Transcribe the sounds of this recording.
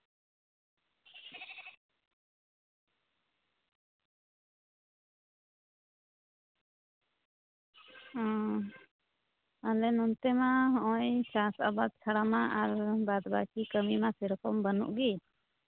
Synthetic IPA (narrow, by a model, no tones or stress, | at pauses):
alɛnunt̪ɛmaɦɔʔɔ̃jsasa̰bad̪̚t͡ʃʰaɽamaʔaɾbad̪ba̰kikəmimasɛɾɔkɔmbənṵʔɡi